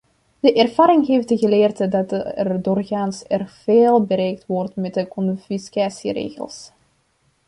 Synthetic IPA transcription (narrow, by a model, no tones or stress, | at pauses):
d̥əʔɛrv̥aːɾɪŋɦejftəɣəleːrtədɑtɛrdoːrɣaːnsɛrv̥eːlˠbəɾɛjk̚tʋɔrtmɛt̚dəkɔnfiskaːsirḛːɣə̰lˠs